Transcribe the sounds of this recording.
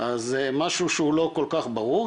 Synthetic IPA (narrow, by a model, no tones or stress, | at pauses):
ʔazemaʃuʃeulo̞ko̞lkaχbaʁuʁ